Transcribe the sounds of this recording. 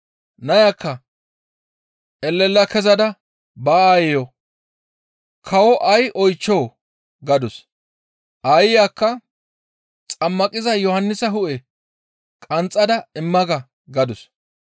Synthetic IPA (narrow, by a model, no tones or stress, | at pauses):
nɐjakːɐ | ʔɛlːɛlːɐkɛzɐd̪ɐ | baːaːjɛjɔ | kʰɐwɔʔɐjʔɔjt͡ʃːɔː | ɡɐd̪ʊs | ʔɐjɪjaːkːɐ | t͡sʼɐmːɐkʼɪzɐjɔhɐnːɪsɐɦʊʔɛ | kʼɐnt͡sʼːɐd̪ɐɪmːɐɡɐ | ɡɐd̪ʊs